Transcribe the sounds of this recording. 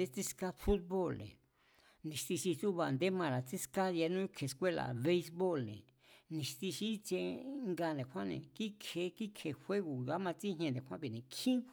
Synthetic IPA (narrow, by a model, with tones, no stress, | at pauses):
d̪e˦t͡si˦ska˦fu˦t̪̚βo˦˨lnḛ̃˨ | nĩ˨˧st̪i˧ʃi˧t͡su˦βa˧nd̪e˦mã˧ɾa˨t͡si˦ska˦ja˧nũ˦kʰe˨˧skʷe˦la̰˨βe˦i˧sβo˦˨lnḛ̃˨ | nĩ˨st̪i˧ʃi˦t͡ʃe˧ŋɡa˧nd̪ẽ˨kʷã˦nḛ̃˨ki˦kʰe˧ki˦kʰe˧˨hʷe˦ɣu˨ja˦mã˧t͡si˦ɦɲ˧ẽ˧nd̪ẽ˨hʷã˦βi˧˨nẽ˨kʰĩ˦